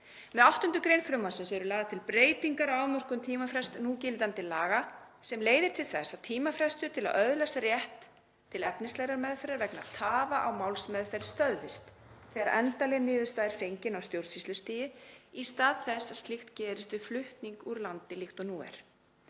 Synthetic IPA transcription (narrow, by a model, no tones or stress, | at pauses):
mɛðawht̪ʏnt̪ʏkɾejnfɾʏmvansɪnsɛɾʏlaːðat̪ʰɪlpɾeːjt̪iŋkaɾawmɔr̥kʏmt̪ʰiːmafɾɛst̪nucɪːlɪt̪ant̪ɪlaːɣasɛmleːjðɪɾ̥t̪ʰɪlθɛsːat̪ʰiːmafɾɛst̪ʏt̪ʰɪla̰ðœðlɛsarjɛht̪ʰː | ɪlɛpnɪst̪lɛɣɾaɾmɛðfɛɾaɾvɛknaðt̪ʰaːvaʔawmawlsmɛðfɛɾst̪œððɪst̪ | θɛːɣɾaɾʔɛnt̪alɛɣnɪːðʏst̪aːðɪɾfejɲcɪnawst̪jowɾt̪sist̪lʏst̪iːjɪist̪aːðθɛsːḁst̪lɪxt̪cɛːɾɪst̪vɪflʏht̪niŋkuɾlant̪ɪlixt̪ɔnuːɛ̰ɾ̥